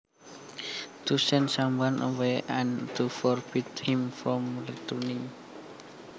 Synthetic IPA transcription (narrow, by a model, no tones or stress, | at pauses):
t̪usɛnsambanʔəweɛ̃nt̪ufɔrbit̪hĩmfɾɔmrət̪uni